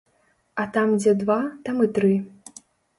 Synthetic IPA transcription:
ɐt̪amd͡zʲɛd̪vat̪amɨt̪ɾɨ

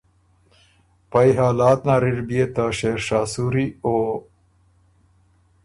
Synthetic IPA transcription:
pajɦaːlaːt̪naːɾiɾbijet̪aʃeːɾʂaːsuɾio

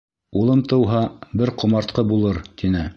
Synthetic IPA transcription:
ulˠɤmt̪ɤ̆wɦɑbɘɾqŏmɑɾt̪̚qɤbulˠɤɾt̪inɘ

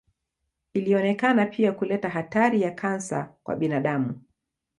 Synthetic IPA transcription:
iliɔnɛkanapʰiakulɛtaɦataɾijakʰansa̰kwa̰ɓinaɗamu

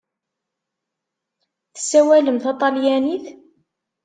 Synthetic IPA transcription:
θə̥sːæwæləmθɑt̪ˤɑljæniθ

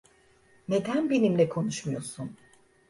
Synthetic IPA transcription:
ne̞d̪ænbe̞nimlʲɛkʰo̞nuʃmujo̞sun

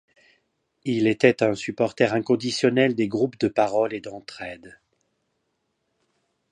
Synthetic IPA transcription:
ilet̪ɛt̪ɛ̃sypɔʁt̪ɛʁɛ̃kɔ̃d̪isjɔnɛld̪eɡʁupd̪əpaʁɔled̪ɑ̃t̪χɛd̪

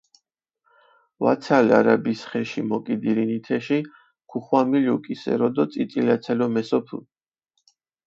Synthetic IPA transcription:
va̰t̪sʰalaɾabisχɛʃimɔkʼid̪iɾinit̪ʰɛʃi | kʰuχwamiljukʼisɛ̰ɾɔd̪ɔt̪sʼit̪ʼilat̪sʰɛlɔmɛsɔpʰṵ

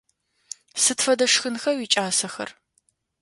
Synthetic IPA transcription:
sɨtfɐdɐʂxɨnxɐwiːt͡ʃʼaːsɐxɐ̰r

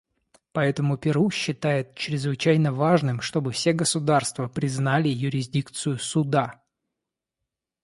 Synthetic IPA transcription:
pɐɛt̪əmʊpʲɪɾuɕːɪt̪ajɪt̪̚t͡ɕɾʲɪzvɨt͡ɕæjnəvaʐnɨmʂt̪o̞bɨfsʲeɡəsʊd̪arst̪vəpɾʲɪznalʲɪjʊɾʲɪzʲdʲikt̪sɨjʊsʊd̪a

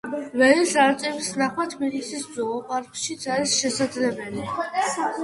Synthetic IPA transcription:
vɛnisaɾt̪sʼɛbisnaχwat̪ʰbilisiszɔɔpʼaɾkʃit̪sʰaɾisʃɛsad̪zlɛbɛli

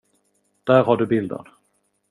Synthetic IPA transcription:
d̪̥æːɾɦaɖɵbɪld̪ə̰ɾ

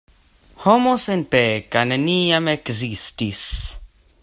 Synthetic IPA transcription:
homosɪnpɛkanəniːjamɛkzistis

